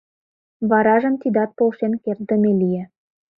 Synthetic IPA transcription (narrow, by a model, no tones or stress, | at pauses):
βɑɾɑʒə̆nt̪id̪ɑt̪̚polʃenkert̪̚d̪ə̆melije